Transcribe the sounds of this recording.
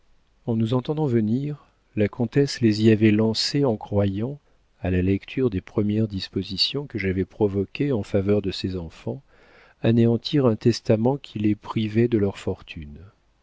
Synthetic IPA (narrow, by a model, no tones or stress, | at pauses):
ɑ̃nuzɑ̃t̪ɑ̃d̪ɑ̃vəniʁ | lakʰɔ̃t̪ɛsleziavɛlɑ̃seɑ̃kχwajɑ̃ | alalɛkt̪ʰyʁd̪epχəmjɛʁd̪ispozisjɔ̃kəʒavɛpχɔvɔkʲeɑ̃favœʁd̪əsezɑ̃fɑ̃ | aneɑ̃t̪ʰiʁɛ̃t̪ɛst̪amɑ̃kʲʰilepχivɛd̪əlœʁfɔʁt̪ʰyn